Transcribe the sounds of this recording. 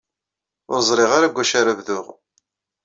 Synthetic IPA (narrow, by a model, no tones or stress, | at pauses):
ʊɾzˤɾˤiʁaɾaɡʷːæʃaɾævðʊʁ